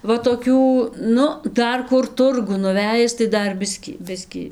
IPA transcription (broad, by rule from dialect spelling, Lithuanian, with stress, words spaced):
ˈʋɐ toːˈkʲuː ˈnʊ ˈdɐr ˈkʊr ˈtʊrɡʊn nʊˈʋʲæːjɪs tɐɪ ˈdɐr ˈbʲɪsʲkʲiː ˈbʲɪsʲkʲiː